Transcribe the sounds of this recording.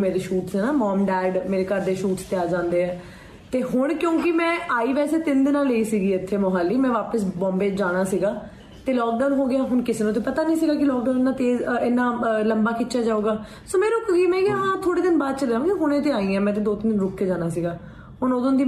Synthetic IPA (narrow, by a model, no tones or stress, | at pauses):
meːɾeːʃuːʈsɛːnaːmɔːmɖɛːɖmeːɾeːkəɾd̪eːʃuːʈst̪eaːd͡ʒãːnd̪eːɦɛ̃ː | t̪eːɦʊɳkjõːkɪmɛ̃ːʔaːiːʋɛːseːt̪ɪnd̪ɪnãːleiːsiːɡiːɪt̪ʰːeːmoɦaːlːiːmɛ̃ːʋaːpəsbɔ̃ːmbeːd͡ʒaːɽ̃aːsiːɡaː | t̪eːlɔːk̚ɖaːnɦoːɡɪjaːɦʊɳkɪseːnũːt̪eːpət̪aːnĩːs̬ɪɡaːk̬ɪlɔːkɖaːnɪnːãːt̪eːzɪnːãːləmbaːkɪːʃaːd͡ʒaːoːɡaː | soːmɛ̃ːɾʊkːɡiːmɛ̃ːɡɪaːɦãːt̪ʰoːɽeːd̪ɪnbaːd̪̚t͡ʃəlɛːõːkɪɦʊɳ̃ẽːt̪eːaːĩːɛ̃ːmɛ̃ːt̪̬ẽːd̪oːt̪ɪnd̪ɪnɾʊkʰːeːd͡ʒaːɽ̃aːsiːɡaː | ɦʊɳod̪õːnd̪iː